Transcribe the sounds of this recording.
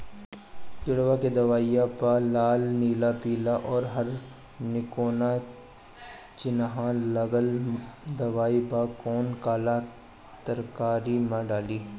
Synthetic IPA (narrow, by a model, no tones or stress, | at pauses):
d͡ʒɪɽʋaked̪ɐʋaːijapalaːlniːlapiːlaʔɔːɾɦɐɾ | nɪkoːna | t͡ʃɪnɦãlɐɡəld̪ɐʋaːibakɔːnkaːla | t̪əɾkaːɾimãɖaːliː